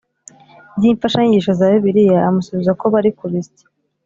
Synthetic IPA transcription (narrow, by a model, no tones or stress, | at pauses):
iːɱfaʃaɲiɟiʃazaːjoβiɾijaːmusuβizako̞βaɾikuβiste̥